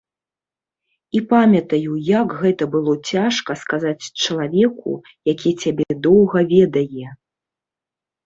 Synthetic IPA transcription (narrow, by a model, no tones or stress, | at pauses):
ipamʲɐt̪ɐjujɐkɣɛt̪ɐbɨlˠɔt͡sʲaʂkɐskazat͡sʲt͡ʂɐlˠavʲɛkṵ | jakʲit͡sʲabʲɛd̪ɔwɣɐvʲɛd̪ɐjɛ